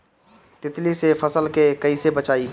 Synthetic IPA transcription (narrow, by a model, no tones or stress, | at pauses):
t̪ɪt̪lisepʰəsəlkekəisebət͡ʃaːi